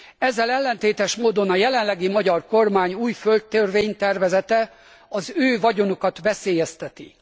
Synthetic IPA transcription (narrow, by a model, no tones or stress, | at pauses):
ɛzːɛlɛlːɛnt̪eːt̪ɛʃmoːd̪o̞nɒjɛlɛnlɛɡimɒɟɒrko̞rmaːɲuːjfølt̪ːørveːɲt̪ɛrvɛzɛt̪ɛ | ɒzøːvɒɟo̞nokɒt̪ʋɛseːjɛst̪ɛt̪ḭ